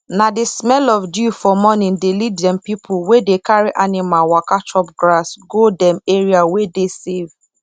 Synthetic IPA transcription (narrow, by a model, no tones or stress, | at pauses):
nadismɛlɔfdufɔmɔnĩndeliddɛ̃mpipʰuwedekaɹiʔanimawakat͡ʃɔpɡɹasɡodɛ̃meɹiawedesev